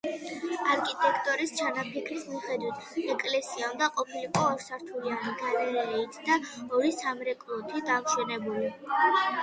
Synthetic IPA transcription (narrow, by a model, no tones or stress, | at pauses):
aɾkʰʼit̪ʼɛkʰt̪ʼɔɾist͡ʃʰanapʰikʰɾismiχɛd̪wit̪ʰɛkʼlɛsiaund̪aqʼɔpʰiliqʼɔɔɾsaɾt̪ʰulianiɡalɛɾɛɛit̪ʰd̪aɔɾisamɾɛkʼlˠɔt̪ʰid̪amʃɛnɛbuli